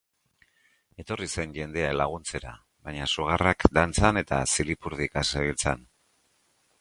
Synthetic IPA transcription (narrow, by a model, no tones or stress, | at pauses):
e̞t̪o̞rise̞nʝe̞nd̪e̞aelaɣ̞unt͡se̞ɾa̰ | βaɲasuɣ̞arakd̪ant͡sane̞t̪a̰silipuɾðikaseβilt͡sa̰n